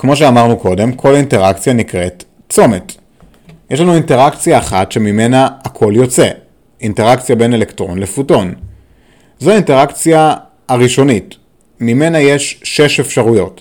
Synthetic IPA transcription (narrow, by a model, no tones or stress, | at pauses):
kmo̞ʃ̬eamaʁnuko̞de̞mkʰo̞linte̞ʁakt͡sjanikʁe̞t | t͡so̞met | jeʃlanuinte̞ʁakt͡sijaːχatʃe̞mime̞naːkʰo̞ljo̞t͡se | inte̞ʁakt͡sjabe̞ne̞le̞ktʁo̞̰nlefuto̞n | zoainte̞ʁakt͡sja | aʁiʃo̞nit | mime̞naje̞ʃʃe̞ʃe̞fʃaʁujo̞t